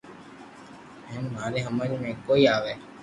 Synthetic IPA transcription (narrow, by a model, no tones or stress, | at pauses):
ɦɛ̃ːnmaːɾeːɦəmaːɾiːnẽːkoːiːaːʋeː